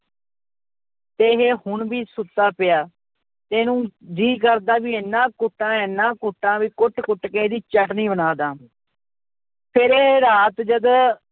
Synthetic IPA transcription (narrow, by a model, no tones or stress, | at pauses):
t̪eːɦeːhʊɳʋiːsʊt̪ːaːpɪjaː | t̪eːnũːd͡ʒiːkəɾd̪aːʋiːɪnːãːkʊʈːãːenːãːkʊʈːãːʋiːkʊʈkʊʈkẽːd̪iːt͡ʃəʈniːbənaːd̪aː | pʰɪɾeːɾaːt̪d͡ʒəd̪